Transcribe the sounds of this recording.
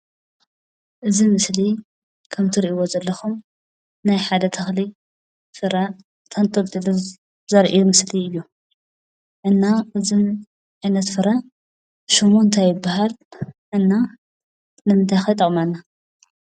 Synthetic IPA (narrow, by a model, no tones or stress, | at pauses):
ʔɨzimɨsli | kʰɐmt̪ʰɨɾiʔiwozɐlːɐxum | najħad̪ɐt̪ʰɐxli | fɨɾɐ | t̪ʰɐnt̪ʼɐlt̪ʼɨlu | zɐɾʔimɨsliɨjːu | ʔɨnːaʔɨzɨn | ʕajnɐt̪fɨɾɐ | ʃɨmːont̪ʰajːɪbaɦalʔɨnːa | nɨmɨnt̪ʰajxɐjt̪ʼɐkʼmanːa